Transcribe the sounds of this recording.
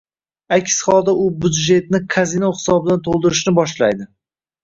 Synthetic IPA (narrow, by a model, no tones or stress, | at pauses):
akʲsχɒlˠd̪aʊbʊd̪ʒe̞t̪̚nɪkʰazinoχɪ̥sɒbɪd̪ant̪ʰolˠd̪ɪɾɪʃnɪbɒʃlajd̪ɪ